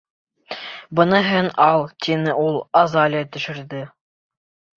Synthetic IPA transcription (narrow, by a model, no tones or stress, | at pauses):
bɤ̆nɤ̆ɦɤnɑlˠt̪ʲinɘʔulˠɑzɑlʲɪɑt̪ɵ̆ʃɘ̆ɾðɘ